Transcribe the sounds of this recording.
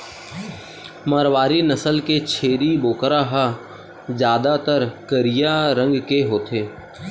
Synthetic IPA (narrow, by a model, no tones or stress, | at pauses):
məɾwaːɾinəsəlket͡ʃʰeːɾiboːkɾaɦa | d͡ʒjaːd̪at̪əɾkəɾɪjaɾə̃ŋɡkeɦoːt̪ʰeː